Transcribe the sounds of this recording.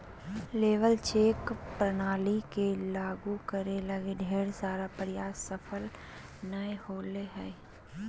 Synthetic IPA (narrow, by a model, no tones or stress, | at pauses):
leːʋəlt͡ʃeːkpɾənaːlikelaːɡukəɾeləɡeɖʱeːɽsaːɾapəɾɪjaːsəfʰəl | nəehoːleɦɛː